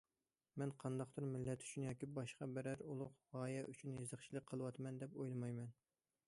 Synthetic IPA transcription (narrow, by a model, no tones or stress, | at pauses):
mɛnqʰɑnd̪ɑχd̪ɨɾmɪlːɛt̪ʰy̥t͡ʃʰynjɑːkʲibɑʃqɑbæɾæɾulˠʊqʁɑːjɛʔyt͡ʃʰynjezəχt͡ʃʰilˠɨk̚ʲqʰːəlˠɨwɑt̪mɛnd̪ɛpojlˠɨmɑjmɛn